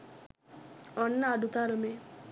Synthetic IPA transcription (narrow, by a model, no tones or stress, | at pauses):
ɔnːaaɖut̪aɾɯme